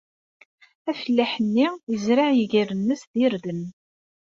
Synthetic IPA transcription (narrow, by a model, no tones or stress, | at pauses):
æfəlːæħənːijəzɾaʕjəʝiɾənːəsðiɾðən